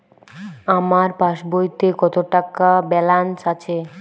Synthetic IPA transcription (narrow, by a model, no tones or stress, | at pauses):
amaɾpaʃbojt̪ekɔt̪oʈakabɛlansat͡ɕʰe